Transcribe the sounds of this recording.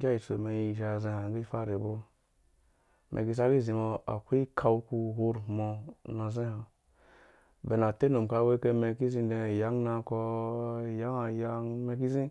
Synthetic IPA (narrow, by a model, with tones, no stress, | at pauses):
ɡʲa˦i˨so˨me˧i˧˨ʒa˨zẽ˧ha˨ɡe˦i˦fa˦˨ɾe˨bo˦ | mʔḛ˨ɡi˧˨s̬a˦ɡi˦zi˨mo˧a̰˨kʷi˦kʰa˧wku˧hu˧ɾmo˧na˧zẽ˦ha˨ | be˨na˨te˦no˨m˨ka˧˦we˦ke˧me˧ki˦zi˧˦de˧˨ja˦ŋ˦na˧kɔ˧˨ | ja˦ŋa˨ja˦ŋme˧ki˦zĩ˦